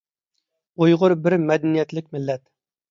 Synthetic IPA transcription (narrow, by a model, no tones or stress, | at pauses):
ojʁʊɾbɪɾmɛd̪ɛnijɛt̪lɪkʲmɪlːɛt̪